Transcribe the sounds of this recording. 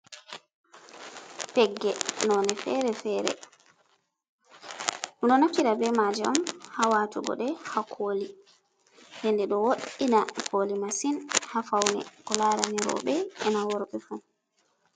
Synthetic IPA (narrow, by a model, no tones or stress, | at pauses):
pɛɡːɛnɔnɛfɛɾɛfɛːɾɛ̰ | muɗɔnakːiɗabɛmad͡ʒɛɔmhawatuɡɔ̰ɗɛhakʰoːli | ndɛndɛɗɔwoɗinakʰolimasinhafawnɛ̰kɔlaɾaniɾɔ̰ɓɛɛnawɔɾɓɛfu